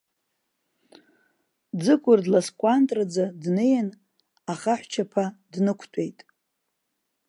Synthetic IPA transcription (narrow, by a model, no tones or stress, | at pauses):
d͡zɨkʷʼʊrdlaskʷʼantʼrad͡zadnejan | aχaħʷt͡ʃʰapʰadnɨkʷʰtʷʼe̞jtʼ